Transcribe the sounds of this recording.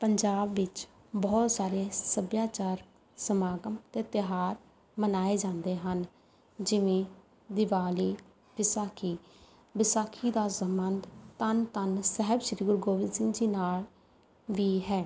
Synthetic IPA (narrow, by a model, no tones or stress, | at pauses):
pəɲd͡ʒaːbʋɪt͡ʃ | bɔːt̪saːɾeːsəbjaːt͡ʃaːɾ | səmaːɡəmt̪eːt̪ɪɦaːɾ | mənaːeːd͡ʒãːnd̪eːɦən | d͡ʒɪʋẽː | d̪ɪʋaːliː | ʋɪsaːkʰiː | bɪsaːkʰiːd̪aːsəmənd̪t̪ənt̪ənsɛɦəbʃɾiːɡʊɾɡoːʋɪnsɪ̃ŋd͡ʒiːnaːl | ʋiːɦɛː